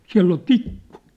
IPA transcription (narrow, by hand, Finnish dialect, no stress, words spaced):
siæ̝lː ol tikːu